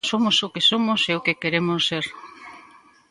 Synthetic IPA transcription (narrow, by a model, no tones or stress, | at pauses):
somʊsʊkesomʊseʊkekeɾemʊseɾ